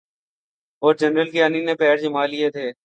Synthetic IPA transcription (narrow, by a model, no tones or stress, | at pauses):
ɔːɾd͡ʒənɾəlkeaniːnẽːpɛːɾd͡ʒəmaːlɪeːt̪ʰeː